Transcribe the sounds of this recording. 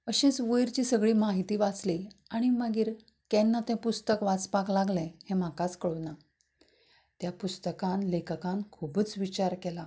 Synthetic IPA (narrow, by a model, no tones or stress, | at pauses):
əɕet͡sʋəjɾt͡ɕiːsəɡɭiːmaɦit̪iːʋat͡sliaɽ̃imaɡiːɾ | kɛnːat̪ɛ̃pust̪əkʋat͡spaklaɡlẽhem̤akat͡skəɭona | t̪japust̪əkãnlekəkãnkʰubət͡sʋit͡ɕaɾkela